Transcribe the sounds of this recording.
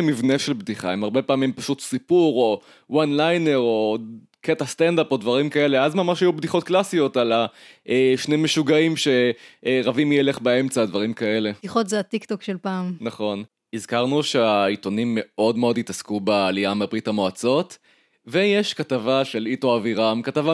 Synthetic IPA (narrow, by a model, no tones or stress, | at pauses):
mivne̞ʃelbdiχa̰emaʁbe̞paːmimpaʃutsipuʁo̞ | wanlajne̞ʁo̞ | ketast̪end̪apo̞dvaʁimkae̞le̞azmamaʃajubdiχo̞t̪̚klasijo̞talaʔeʃnemeʃuɡaimʃe̞ʁavimjele̞χbae̞mt͡sadvaʁimkae̞le̞iχotzeat̪ikt̪okʃelpaːmnaχo̞n | izkaʁnuʃeaito̞nimːe̞ʔo̞dmeo̞ditaskubaːliamabʁitamoat͡so̞t | ve̞jeʃkatavaʃe̞litoaviʁamkatava